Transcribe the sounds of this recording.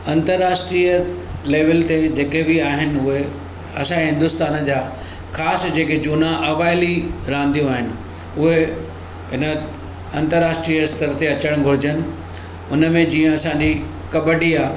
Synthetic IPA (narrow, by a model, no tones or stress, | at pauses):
ɐ̃nt̪əɾːaːsʈɾiːə | leːʋəlt̪ed͡ʑeːkebɪaːɦɪnɪ̆ʊɦe | ɐsãɦɪ̃nd̪ʊst̪aːnd͡ʑaː | xaːsd͡ʑeːked͡ʑuːnãʔɐʋaːɪliɾãːnd̪ijũaːɦɪnɪ̆ | ʊɦe | ɦɪnə | ɐ̃nt̪əɾːaːsʈɾijəst̪əɾt̪eɐt͡ɕəɽ̃ɡʱʊɾɪd͡ʑənɪ̆ | ʊnəmẽd͡ʑĩːə̃ɐsãːɲd͡ʑi | kɐbəɖiaː